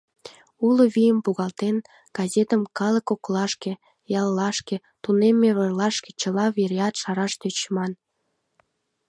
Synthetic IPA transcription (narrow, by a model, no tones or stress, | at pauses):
uloβijəmpuɣɑlt̪en | ɡ̥ɑzet̪əmkɑləkoklɑʃke | jɑlːɑʃke | t̪unemːeβərlɑʃke̥t͡ɕəlɑβeɾeɑt̪ʃɑɾɑʃt̪øt͡ɕmɑn